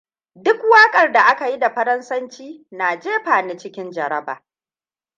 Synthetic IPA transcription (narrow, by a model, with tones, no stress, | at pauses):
dʊ˦kwaː˦kʼɐ˨rda˨ʔa˦ka˨ji˦da˨ɸɐ˦ɾɐ˦nsɐ˦nt͡ʃiː˦naː˨d͡ʒeː˦ɸaː˨ne˦t͡ʃɪ˦kʲɪ˦nd͡ʒɐ˨ɾɐ˦ba̰ː˨